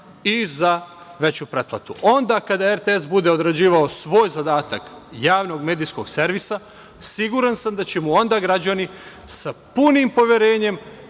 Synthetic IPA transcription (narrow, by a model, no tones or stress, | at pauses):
iza | ʋe̞t͡ɕupɾe̞t̪̚plˠa̰t̪uʔo̞nd̪akad̪aeɾt̪ees̬bud̪e̞od̪ɾad͡ʑiːʋaosʋo̞ːjzad̪aːt̪akjaːʋno̞ɡme̞ːd̪isko̞ɡse̞ɾʋisa | siɡuɾansamd̪at͡ɕe̞muo̞nd̪aːɡɾad͡ʑani | sapunimpo̞ʋjeɾeːɲe̞m